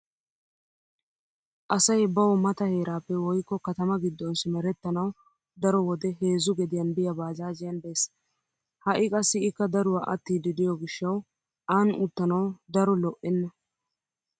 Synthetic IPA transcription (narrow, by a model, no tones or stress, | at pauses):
ʔɐsɐjbɐwɔmɐt̪ɐhe̞ːɾaːpːɛwɔjkːɔkɐt̪ɐmɐɡɪd̪ːɔnsɪmɛɾɛt̪ːɐnɐw | d̪ɐɾɔwɔd̪ɛhe̞ːzʊɡɛd̪ɪjɐnbɪjɐbaːzaːzɪjɐnbe̞ːs | hɐʔɪkʼɐsːɪɪkːɐd̪ɐɾʊwaːʔɐt̪ːiːd̪ɪd̪ɪjɔɡɪʃːɐw | ʔaːnʊt̪ːɐnɐwd̪ɐɾɔlɔʔɛnːɐ